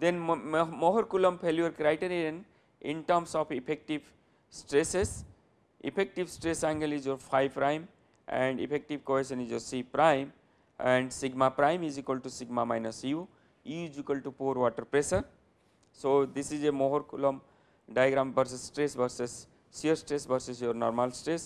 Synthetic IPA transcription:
d̪ẽnmɔɦɔɾkuləmpʰeljuəɾkɾaɪʈeneɖə̃n | ĩnʈəɾmsɔfipʰek̚ʈiʋ | sʈɾeses | ḭpʰek̚ʈiʋsʈɾesæ̃ŋɡəlizjopʰaɪpɾãɪm | ʔɛ̰̃ɳɖḭpʰek̚ʈiʋkoɦeʃə̃nizjosipɾaɪ̃m | ɛ̃ɳɖsiɡmapɾaɪ̃mizikwəlʈusiɡmamajnəsju | id͡ʒikəlʈupuɾʋɔʈəɾpɾesəɾ | sod̪isizemoɦoɾkuləm | ɖajɡɾãmbəɾs̬esʈɾesbəɾsesː | iəɾsʈɾesbəɾsesjoɾnɔ̰ːɾmalsʈɾes

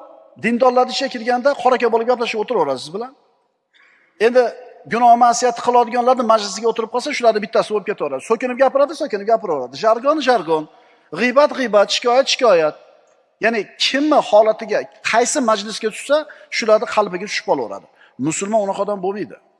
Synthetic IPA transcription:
d̪ɪnd̪ɒnlaɾd̪ɪʃʲakʲʰɪɾɡʲand̪aqʰɒɾakʲabolɪp̚ɡʲaplaʃɪbot̪ɪɾɒɾasɪzbɪlan | e̞nd̪ɪɡʊnɒhmasijat̪ʰɪ̥qʰɨlˠɒd̪ɪɡɒnlaɾnɪmad͡ʒlɪsɪɡʲaot̪ʰɪɾɪp̚qʰɒlˠsaʃʊlaɾd̪ɪbɪt̪ːasɪbolɪp̚kʲet̪ʰaɒɾad̪ɪsokʲɪnɪp̚ɡʲapɪɾad̪ɪsokʲɪnɪp̚ɡʲapɪɾɒɾad̪ɪʒaɾɡɒnʒaɾɡɒn | ʁɨjbat̪ʁɨjbat̪ʃɪ̥kʰʲɒjat̪ʃɪ̥kʲʰɒjat̪̚ | janɪkʲʰɪmːɪhɒlat̪ʰɪɡʲaqʰɑjsɪmad͡ʒlɪsɡʲat̪ʰʊ̥ʃsaʃʊlaɾd̪ɪqʰɑlˠpɪɡʲat͡ʃ̪ʰʊ̥ʃɪp̚qʰɒlˠwɒ̰ɾa̰d̪ɪ | mʊsʊlˠmɒnʊnɑqɒd̪ambomijd̪ɪ̰

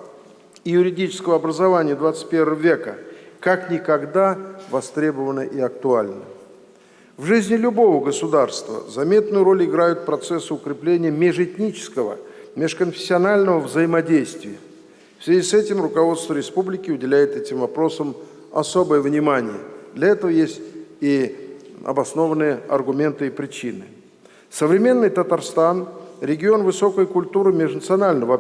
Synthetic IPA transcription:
ijʊɾʲɪdʲit͡ɕɪ̥skəvəɐbɾəzɐvanʲɪjəd̪vat̪sɨ̥t̪̚ʲpʲe̞rvəvəvʲe̞kəkaknʲɪkɐɡd̪avɐst̪ɾʲe̞bəvənəʔɪɐk̚t̪ʊalʲnə̰ | vʐɨzʲnʲɪlʲʊbo̞vəɡəsʊd̪arst̪və̰zɐmʲe̞t̪nʊjʊɾo̞lʲɪɡɾajʊt̪̚pɾɐt̪sɛsːɨʊkɾʲɪplʲenʲɪjəmʲeʐɛtʲnʲit͡ɕɪ̥skəvə̰ | mʲɪʂkənfʲɪ̥sʲːɪɐnalʲnəvəvzəjɪmɐdʲejst̪vʲɪjə | fsʲvʲɪzʲisɛtʲɪmrʊkɐvo̞t̪st̪vəɾʲɪspublʲɪkʲɪʊdʲɪlʲæjɪt̪ɛtʲɪmvɐpɾo̞səm | ɐ̰so̞bəjəvnʲɪmanʲɪ̰jə̰d̪lʲɐɛt̪əvəjesʲtʲi | ɐ̰bɐsno̞vənɨjəɐ̰rɡʊmʲe̞nt̪ɨipɾʲɪt͡ɕinɨ̰ | səvɾʲɪmʲe̞nːɨjt̪ət̪arst̪anɾʲɪɡʲɪo̞nvɨso̞kəjkʊlʲt̪uɾɨmʲɪʐnət̪sɨɐnalʲnəvə

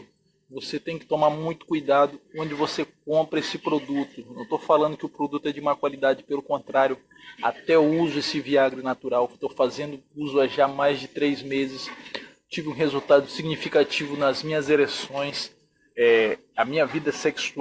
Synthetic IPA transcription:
voset̪ẽj̃kɪ̥t̪omaɾmũj̃t̪ʊ̥kujd̪ad̪ʊõd͡ʒɪvosek̚õmpɾɐesɪpɾod̪ut̪ʊnɐ̃t̪ofalɐ̃nd̪ʊkɪʊpɾod̪ut̪ʊɛd͡ʒɪumɐkwalid̪ad͡ʒɪpelʊkõnt̪ɾaɾjʊ | a̰t̪ɛuzʊesɪviaɡɾɪnat̪uɾawt̪ofazẽnd̪ʊuzʊaʒamajzd͡ʒɪt̪ɾejzmezɪs | t͡ʃivɪũɦezut̪ad̪ʊsiɡnifikat͡ʃivʊnɐzmĩɲɐzelesõj̃s | ɛ | ɐmĩɲɐvid̪ɐseksu

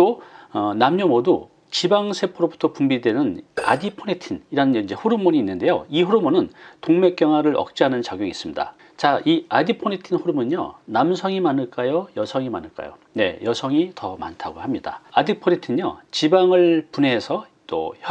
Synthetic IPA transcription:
toʌnamɲomodu | t͡ɕibaŋsʰe̞pʰoɾobutʰʌpumbidwe̞nɯna̰dipʰonetʰiniɾanɯind͡ʑe̞ɸuɾumoɲiːnːɯnde̞jo̰iɸuɾumonɯntoŋme̞k͈jʌŋwaɾɯɾʌ̰k̚t͡ɕ͈iɦanɯnt͡ɕaɡjoŋis͈ɯmɲida̰ | t͡ɕaiadipʰonetʰinɸuɾumɯɲo̰namsʰʌŋimanɯɭk͈ajojʌsʰʌŋima̰nɯɭk͈a̰jo̰ne̞̰jʌsʰʌŋitʌma̰ntʰaɡohamɲida̰adipʰonetʰiɲo̰t͡ɕibaŋɯɭpunesʰʌ | t͈o̰

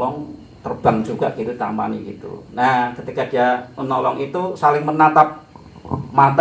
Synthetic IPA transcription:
lɔŋ | t̪ərb̥aŋd͡ʒuɡ̥a̰ʔɡ̥it̪ut̪ampa̰niɡit̪ṵnahkət̪ikad̥iamənɔlɔ̰ŋit̪usalɪŋmənat̪ap̚ | mat̪

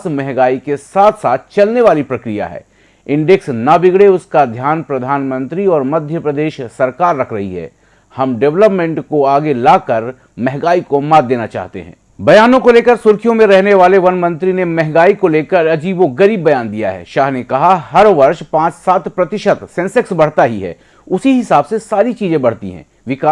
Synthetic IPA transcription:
smɛɦɡaːikesaːt̪ʰsaːt̪ʰt͡ʃɐlneʋaːlipɾɐkɾija̰ɦɛ̰ː | ɪ̃ɳɖeksnabɪɡɽeʊskad̪ʱjaːnpɾɐd̪ʱaːnmə̃nt̪ɾiɔːɾmɐd̪ʱjəpɾɐd̪eːʃsɐɾkaːɾːɐkʰɾɐ̰ɦḭɦɛ̰ː | hɐmɖɛʋləpmɛ̃ɳʈkoaːɡelaːkɐɾ | mɛɦɡaːikomaːd̪d̪eːnat͡ʃa̰ːɦt̪ḛɦɛ̰̃ːbɐjaːnõkoleːkəɾsʊɾkʰijõmẽɾɛɦneʋaːleʋɐnmɐ̃nt̪ɾinemɛɦɡaːikoleːkəɾɐd͡ʒiːboɡɐɾiːbːɐjaːnd̪ija̰ɦɛ̰ːʃaːɦnekɐɦaɦɐɾʋɐɾʃpãːt͡ʃsaːt̪pɾɐt̪ɪʃət̪sɛ̃nsɪksbɐɽ̤t̪aɦiɦɛ̰ː | ʊsiɦɪsaːbsesaːɾit͡ʃiːzẽbɐɽ̤t̪ḭɦɛ̰̃ː | ʋɪkaː

